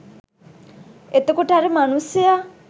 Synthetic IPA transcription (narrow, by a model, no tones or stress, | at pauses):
et̪okuʈaɾemanusija